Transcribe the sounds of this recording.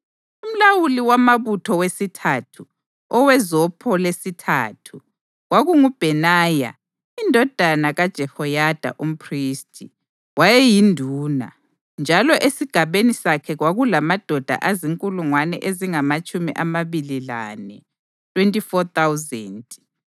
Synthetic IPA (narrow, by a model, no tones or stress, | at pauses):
um̩lawuliwamaβutʰɔwesitʰatʰu | ɔwɛzɔpʰɔlesitʰa̰ːtʰu | ɣwaɣuŋub̥ʱɛnaːja̰ | indʱɔd̥ʱanaɣad̥ʒ̥ʱɛhɔjad̥ʱa̰ʔum̩pʰriːstʰʼi | wajɛjindʱuːna̰ | nd͡ʒʱalɔʔesiɡ̥ʱaβenisakʰɛɣwaɣulamad̥ʱɔd̥ʱa̰ʔaziŋkʼuluŋwanɛ̰ʔeziŋamat͡ʃʼumiʔamaβilila̰nɛ | tʰʼwentʼifɔt̪awzɛːntʼ